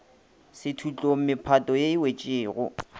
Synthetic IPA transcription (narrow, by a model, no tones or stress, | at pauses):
sɪtʰut͡ɬʼom̩mɪpʰatʼɔjeɪwet͡ʃʼɪːɣʊ̰